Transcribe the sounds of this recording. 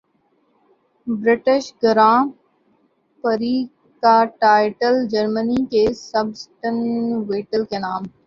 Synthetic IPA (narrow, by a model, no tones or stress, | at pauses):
bɾɪʈɪʃɡəɾãː | pəɾiː | kaːʈaːɪʈəld͡ʒəɾmənikesəbsʈənʋeːʈəlkenaːm